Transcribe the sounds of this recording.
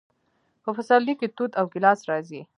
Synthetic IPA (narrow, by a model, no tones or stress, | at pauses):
pəfasɑliket̪ud̪awkɪlɑsɾɑzi